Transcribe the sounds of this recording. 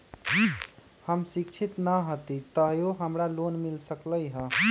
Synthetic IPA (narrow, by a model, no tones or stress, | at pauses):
həmsikt͡ʃʰit̪nəɦət̪it̪əɦjoɦəmɾalonmilsəkləjɦə̃